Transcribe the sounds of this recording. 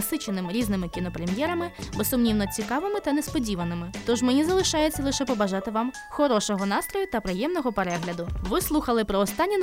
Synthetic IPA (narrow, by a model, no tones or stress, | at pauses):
sɪt͡ʃenɪmɪɾʲiznɪmɪkʲinɔpɾemʲjɛɾɐmɪbesʊmnʲiwnɔt͡sʲikɑʋɪmɪt̪ɐnespɔdʲiʋɐnɪmɪt̪ɔʒmenʲizɐlˠɪʃɑjet͡sʲːɐlˠɪʃɛpɔbɐʒɑt̪ɪʋɑm | xɔɾɔʃɔɦɔnɑst̪ɾɔjʊt̪ɐpɾɪjɛmnɔɦɔpeɾɛɦlʲɐd̪ʊʋɪslˠuxɐlˠɪpɾɔːst̪ɑnʲːin